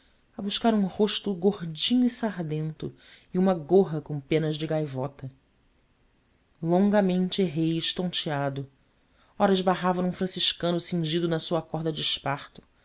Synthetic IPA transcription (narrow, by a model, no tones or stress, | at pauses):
ɐbuʃkaɾũhoʃt̪ʊɡohd͡ʒĩɲʊisaɾd̪ẽnt̪ʊ | iũmɐɡoɦɐkõw̃pẽnɐʒd͡ʒɪɡajvɔt̪ɐ | lõŋɡɐmẽnt͡ʃɪeɦejɪʃt̪õnt͡ʃiad̪ʊ | ɔɾɐʒbaɦavɐũfɾɐ̃siʃkɐ̃nʊsĩŋʒid̪ʊnɐsuɐkɔɦd̪ɐd͡ʒɪʃpaχt̪ʊ̥